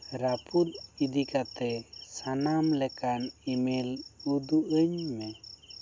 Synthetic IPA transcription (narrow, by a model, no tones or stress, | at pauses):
ɾapʰut̪̚id̪ikat̪ɛsanamlɛkanimilud̪uʔəɲmɛ